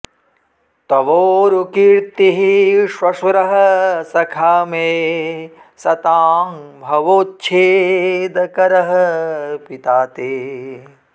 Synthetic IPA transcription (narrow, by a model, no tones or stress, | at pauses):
t̪ɐʋoːɾukiɾt̪iɦiʃʋɐʃɾɐɦɐsɐkʰaːmeː | sɐt̪aːmbʱɐʋoːt̪̚t͡ʃʰeːd̪ɐkɐɾɐɦɐpit̪aːt̪eː